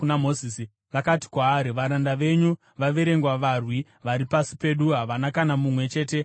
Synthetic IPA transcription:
unamozisi | ʋakati̥kwaːɾiʋaɾandaʋe̞ɲu | ʋaʋe̞ɾe̞ŋɡwaʋarwi | ʋaɾipasi̥pe̞ɗuɦaʋanakanamumwe̞t͡ʃe̞ːte̞

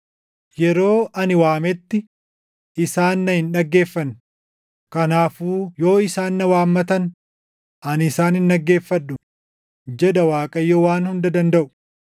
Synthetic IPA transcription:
jɛɾo̞ːʔɐnɪwaːmɛt̪ːɪ | ʔɪsaːnːɐhɪnᶑɐɡːe̞ːfːɐn | kɐnaːfuːjo̞ːɪsaːnːɐwaːmːɐt̪ɐn | ʔɐnɪsaːnɪnᶑɐɡːe̞ːfːɐᶑʊ | d͡ʒɛd̪ɐwaːkʼɐjːowaːnhʊnd̪ɐd̪ɐnd̪ɐʔʊ̥

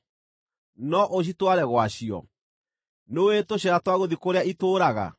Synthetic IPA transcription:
nɔʔoɕ̬itwaɾɛɣwaɕiɔ̰ | nowetoɕɛɾatwaɣoðikoɾeaitoːɾaɣa̰

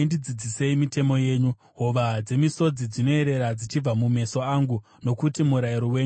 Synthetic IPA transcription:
ndid͡zid͡zise̞imite̞mo̞je̞ːɲu | ɦo̞ʋad͡ze̞miso̞d͡zid͡zino̞e̞ɾe̞ɾad͡zit͡ʃib͡vamume̞so̞aŋɡu | no̞kutimuɾaiɾoweːɲu

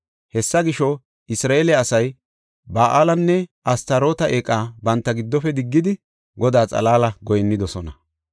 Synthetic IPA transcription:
hɛsːɐɡɪʃɔ | ɪsɾaːeːlɛɐsɐj | baːʔaːlɐnːɛʔɐst̪ɐɾo̞ːt̪ɐʔeːkʼːaːbɐnt̪ːɐɡɪd̪ːɔfɛd̪ɪɡːɪd̪ɪ | ɡɔd̪aːt͡sʼɐ̰laːlɐɡɔjɛnːɪd̪ɔsɔnɐ

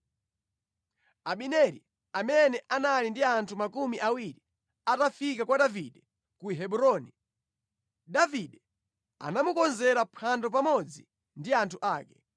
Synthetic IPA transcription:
aɓinɛɾḭ | amɛnɛʔanalindiantʰumakumiʔawiɾi | atafik̬akwaɗaviɗɛ | kuɦɛɓuɾɔni | ɗaviɗɛ | a̰namukɔnzɛɾapʰandɔpamɔd͡zi | ndiantʰuʔaːkɛ

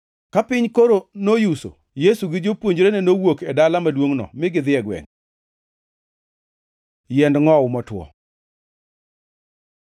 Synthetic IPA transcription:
kapɪɲkoɾonojuso̰ | jesuɡɪd͡ʒopwoɲd͡ʒɾenɛnowokɛdalamadwoŋnɔ̰mɪɡɪd̪ɪɛɡwɛ̰n | jɛndŋɔʊmɔtwɔ̰

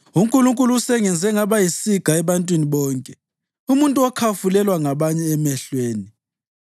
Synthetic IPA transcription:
uŋkʼuluŋkʼuluusɛŋɛnd͡zʱɛŋaβajisiɡ̥ʱaɛβantʼwiniβɔːŋkʼɛ | umuntʼuɔkʰafulɛlwaŋaβaɲɛːmɛɬweːni

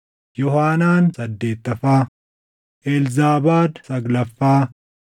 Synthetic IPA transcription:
jɔhaːnaːnsɐd̪ːe̞ːt̪ːɐfaː | ʔɛlzaːbaːd̪sɐɡlɐfːaː

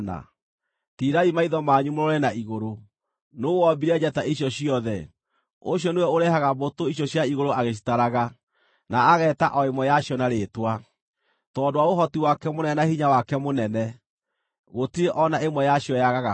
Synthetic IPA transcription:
na̰ | tiɾaimaiðɔmaɲumoɾɔɾɛnaiɣoɾo | noɣwɔbiɾɛd͡ʑataʔiɕjɔɕiɔðɛ | oɕjɔnewɛoɾɛhaɣabotoiɕjɔɕjaiɣoɾoaɣeɕ̬i̥taɾaɣa | naːɣɛːtaʔɔemwɛjaɕjɔnaɾetwa | tɔːdowaoɦɔtiwakɛmonɛnahiɲawakɛmonɛnɛ | ɣotiɾeʔɔnaemwɛjaɕiɔjaɣaɣa

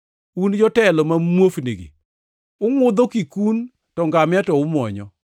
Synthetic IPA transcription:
und͡ʒɔtɛlɔmamwofnḛɡḛ | ʊŋʊd̪ɔkikun | tɔŋɡamɪatɔʊmwɔ̰ɲɔ̰

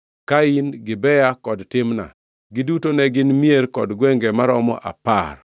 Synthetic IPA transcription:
kainɡɪbɛjakɔdtɪmna̰ | ɡɪdutonɛɡɪnmieɾkɔdɡwɛŋɡemaɾɔmɔ̰ʔa̰par

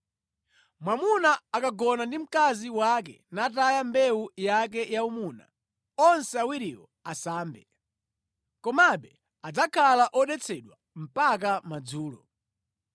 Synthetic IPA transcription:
mwamunaːkaɡɔnandim̩kaziwak̬ɛ̰natajambɛujak̬ɛjaumuna̰ | ɔnsɛawiɾiwɔ | asaːmbɛ | kɔmaɓɛ | ad͡zakʰalaʔɔɗɛt͡sʰɛɗwa | m̩pak̬amad͡zuːlɔ̰

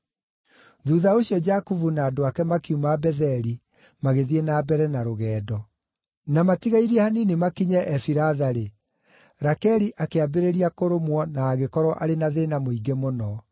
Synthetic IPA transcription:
ðuðaoɕjɔd͡ʑakuvunaːdoakɛmakiumabɛðɛɾi | maɣeðienaːbɛɾɛnaɾoɣɛːdɔ | namatiɣaiɾiɛhaninimakiɲɛʔɛfiɾaðaɾe | ɾakɛɾiʔakeabeɾeɾiakoɾomwɔnaːɣekɔɾwɔʔaɾenaðenamoiɡemonɔ

